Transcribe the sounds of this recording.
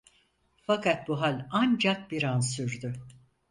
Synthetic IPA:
fakʰat̪̚buɦalʲand͡ʒak̚biɾansyɾd̪ʊ

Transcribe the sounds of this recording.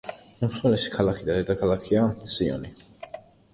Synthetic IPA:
umsχwɛlɛʃi̥kʰalˠakʰid̪ad̪ɛd̪akʰalˠakʰiasiɔ̰ni

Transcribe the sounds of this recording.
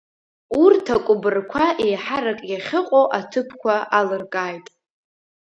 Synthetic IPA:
urtʰakʷʼʊbɨrkʷʰaʔejħaɾakʼjaχʲɪqʷʼowʔatʰɨpʰkʷʰaʔalɨrkʼaːjtʼ

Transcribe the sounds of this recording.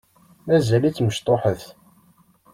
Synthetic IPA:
mæzælit͡sːməʃt̪ˤoħəθ

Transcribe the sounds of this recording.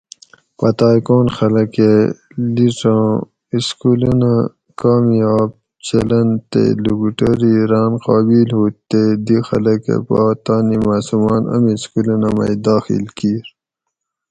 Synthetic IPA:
pɐt̪aːjkoːnxɐlɐke | liʈ͡ʂãː | iskulɐna | kaːmijaːb̚ | t͡ɕɐlɐnt̪ḛluɡuʈɐɾiɾaːnqɑːbilɦuːt̪ːed̪ixɐlɐkḛpaːt̪aːnimaːsumɑːnɐ̰miskulɐnamɐ̰jd̪aːxḭlkiːɾ

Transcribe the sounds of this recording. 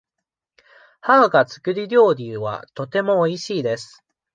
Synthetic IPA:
haːɡat͡sɨ̥kɯ̟ɾʲiɾʲo̞ːɾʲiɯβa̰t̪o̞t̪e̞mo̞ːiɕiːd̪e̞sɨ̥

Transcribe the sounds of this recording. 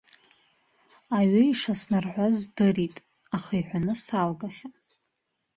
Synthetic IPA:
aɥaiʂasnarħʷazdɨritʼ | aχaiħʷᶣanɨsalɡaχʲa

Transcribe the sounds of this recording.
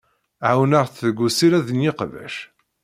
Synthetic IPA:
ʕawnaʁθəɡʷːusiɾæðənjɪqvæ̰ʃ

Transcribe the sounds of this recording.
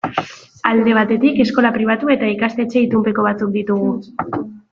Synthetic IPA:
ald̪e̞β̞at̪e̞t̪ike̞sko̞lapɾiβ̞at̪ue̞t̪aikast̪e̞t͡ʃe̞it̪umpe̞ko̞β̞at͡suk̚d̪it̪uɣ̞u

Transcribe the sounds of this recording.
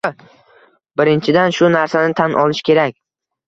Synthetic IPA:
bɪɾɪnt͡ʃʰɪd̪anʃʊnaɾsanɪt̪ʰanʔɒlˠɪʃkʲʰe̞ɾakʲ

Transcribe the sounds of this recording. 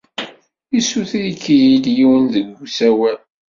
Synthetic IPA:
isuθiikːijid̪jiwənðəɡːusæwæl

